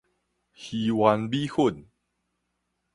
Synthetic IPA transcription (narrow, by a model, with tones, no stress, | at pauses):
hi˨wa˧nbi˦hu˥˦˨n